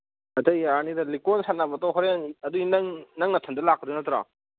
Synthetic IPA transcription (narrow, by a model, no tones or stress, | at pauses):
ɐtɐjanidɐlikɔnsatnabatɔɦɔɾenɐduinŋnɐŋnɐtʰɐndɐlak̚ːɯdunɐtɾa̰